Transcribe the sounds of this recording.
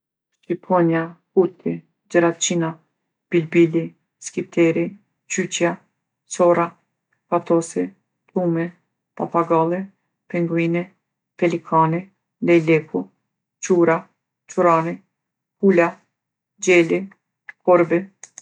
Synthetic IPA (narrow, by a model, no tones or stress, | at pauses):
ʃipʰɔnjahut̪ʰi | d͡ʒəɾat͡ʃina | b̥ilbili | skipt̪ʰɛɾi | t͡ʃyt͡ɕja | sɔɾa | pat̪ɔsi | t̪umɛ | papaɡalˠɛ | pɛŋɡuinɛ | pɛlikʰani | lɛjlɛkʰu | t͡ʃuɾa | t͡ʃuɾani | hula | d͡ʑɛli | kɔɾbɛ